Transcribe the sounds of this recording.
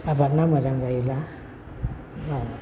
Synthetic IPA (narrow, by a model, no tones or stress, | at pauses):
abak̚namazaŋzajula | na